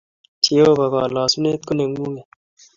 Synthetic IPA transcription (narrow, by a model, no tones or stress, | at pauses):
tʰioːbɐɡɑːlɑːsuneːt̪̚koneŋɡũːɡe